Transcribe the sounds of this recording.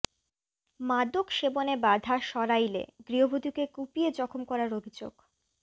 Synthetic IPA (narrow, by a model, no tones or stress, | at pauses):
mad̪okʃebonebad̪ʱaʃɔɾajlḛɡɾiɦobʱod̪ukekupied͡ʑɔkʰomkɔɾaɾobʱid͡ʑo̰ɡ̥